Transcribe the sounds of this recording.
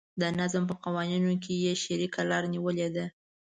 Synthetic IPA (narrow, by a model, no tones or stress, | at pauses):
d̪ənazmpəqawɑninok̬ʰejeʃeɾikʰalɑɾniwəled̪a